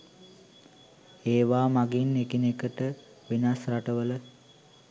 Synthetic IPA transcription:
eːʋaːmaɡinːekinekəʈə | ʋinasraʈəʋələ

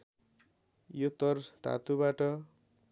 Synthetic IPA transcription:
jot̪ʌrt̪a̰t̪ubaʈʌ

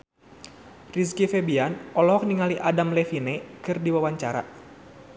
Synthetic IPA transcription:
ris̬kifɛbianɔlɔɦɔk̚niŋaliʔadamlɛfinɛkɨrdiwawaɲt͡ʃaɾa̰

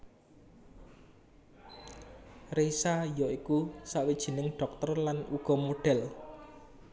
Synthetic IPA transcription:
resajɔikusaʔwid̥ʒ̥i̤nɪŋɖ̥ɔ̤k̚t̪ərlanuɡ̥ɔ̤moɖ̥ɛl

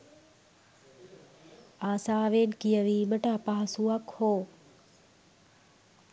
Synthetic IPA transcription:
aːsaːʋeːnkijəʋiːməʈapaɦɐsuɐkhoː

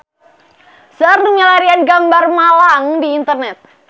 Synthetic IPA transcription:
sərnumɲalaɾianɡambarmalaŋdiːnt̪ərnɛt̪̚

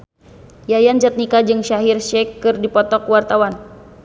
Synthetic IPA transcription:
jajand͡ʒat̪̚nikad͡ʒɨŋʃaɦirʃɛkːɨrdipɔt̪ɔkwart̪awan

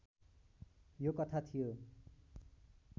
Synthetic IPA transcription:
jokʌt̪ʰat̪ʰijo

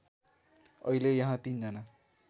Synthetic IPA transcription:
ʌilejʌɦãt̪ind͡zʌna

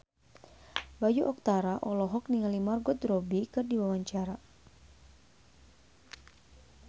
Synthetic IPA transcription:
bajuʔɔk̚t̪aɾaʔɔlɔɦɔk̚niŋalimarɡɔt̪rɔbikɨrdiwawaɲt͡ʃaɾa

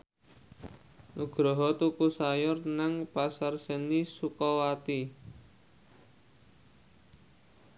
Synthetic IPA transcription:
nuɡ̥ɾɔɦɔt̪ukusajʊrnaŋpasarsənisukɔwat̪i

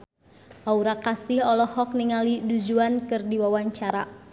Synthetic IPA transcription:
ʔauɾakasɪhɔlɔhɔk̚niŋalidud͡ʒuankɨrdiwawaɲt͡ʃaɾa̰

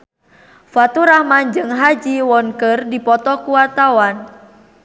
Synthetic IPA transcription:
fat̪uɾahmand͡ʒɨŋɦad͡ʒiwɔnkərdipɔt̪ɔkuwart̪awan

